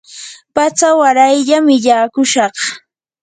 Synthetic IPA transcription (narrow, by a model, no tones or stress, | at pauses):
pat͡sawaɾajʎamɪʎaːkʊʃɑχ